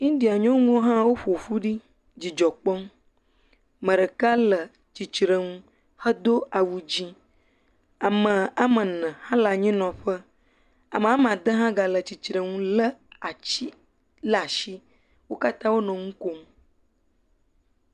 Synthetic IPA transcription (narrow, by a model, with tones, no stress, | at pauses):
ɲĩ˦ɖi˨a˨ɲɔ̃˦ŋũ˦wo˦ɦã˦wo˦ɸo˨fu˦ɖi˦ | d͡ʑi˨d͡ʒɔ˨k͡pɔ˦ŋ | mə̃˨ɖə˨ka˦lə˨ | t͡ʃi˨t͡ʃɾə˨ŋũ˦ | hə˦d̪o˦a˨wu˨d͡ʑi˦ | a˨mə̃˨a˦mə̃˨nə̃˨hã˦la˨ɲĩ˦nɔ̃˨ɸə˦ | a˨mə˨a˦m˨ã˨d̪ə˦ɦã˦ɡa˨lə˨t͡ɕi˨t͡ʃɾə˨ŋũ˦lə˦a˨t͡ɕi˦ | la˨ʃi˦ | wo˦ka˦t̪ã˦wo˦nɔ̃˨ŋũ˦ko˦ŋ˦